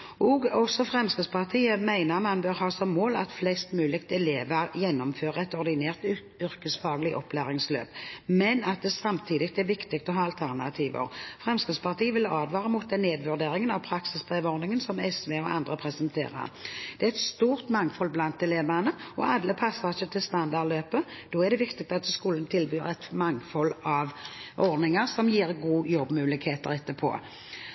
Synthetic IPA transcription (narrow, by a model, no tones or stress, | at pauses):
ʔɔɡɔsɔfʁɛmskəspʰɑʁt̪ʰiːəmæɪnəʁmɑnbøʁhɑːsɔmːoːlɑ̰t̪flɛst̪mʉːlɪkt̪ɛleːʋəɾjɛnːɔmføːʁəɛt̪ɔʁd̪ɪneːʁt̪ | ʏʁkəsfɑːɡlɪʔɔ̰pʰːlæːʁɪŋslø̰ːpmɛnɑt̪̚d̪ɛsɑmt̪ʰiːd̪ɪk̚t̪ɛʋɪkt̪ɪk̚t̪ɔɦɑːɑlt̪ʰæʁnɑ̰t̪ʰiːʋə̰ʁfʁɛmskəspɑʁt̪ʰiːəʋɪlɑːd̪ʋɑːʁəmuːt̪̚d̪ɛnːeːd̪ʋʉʁd̪eːɾɪŋənɑʋpʰɾɑksɪsb̥ʁeːʋɔʁdnɪŋənsɔmɛsʋeːɔʔɑ̰nd̪ʁəpʰɾɛsənt̪ʰḛːʁə̰ʁd̪̥ɛæɛt̪st̪uːʁt̪mɑŋːfɔlblɑnt̪̚ːɛleːbəʁənəɔʔɑd̪ləpʰɑsːəʁɪçːət̪ʰɪlst̪ɑnd̪ɑʁdløːpəd̪̥oːæʁd̪ɛʋɪkt̪ɪk̚t̪ɑt̪skuːlən̩t̪ʰɪlbyːʁɛt̪mɑŋːfɔlɑʋʔɔʁd̪nɪŋəʁsɔmjiːɾɡuːjɔbːmʉːlɪkheːt̪əɾɛt̪ːəpʰo̰ː